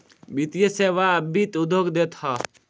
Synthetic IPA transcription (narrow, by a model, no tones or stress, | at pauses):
bit̪jəseʋaəbit̪ud̪ʱoːɡd̪eːt̪hɔ